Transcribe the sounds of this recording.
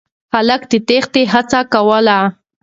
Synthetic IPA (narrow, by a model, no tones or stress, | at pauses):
xaləkd̪et̪ext̪eɦat͡sakawəla